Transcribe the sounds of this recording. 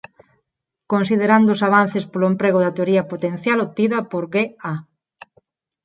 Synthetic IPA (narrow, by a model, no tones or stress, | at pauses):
konsiðeɾand̪ʊsaβ̞anθespoloempɾeɣʊðɐt̪eoɾiɐpot̪en̟θjalot̪ːiðɐpoɾɣea